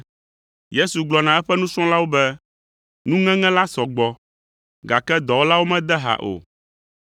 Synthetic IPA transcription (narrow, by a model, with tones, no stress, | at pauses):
je˦su˨ɡ͡blɔ˨nã˨ɛ˦ɸɛ˦nũ˦sɔ̃˦la˦wo˦bɛ˦ | nũ˦ŋɛ̃˦ŋɛ̃˦la˦sɔ˨ɡ͡bɔ˨ | ɡa˨kɛ˦d̪ɔ˨wo˦la˦wo˦mɛ̃˦d̪ɛ˦ɦa̰˨ʔo̰˨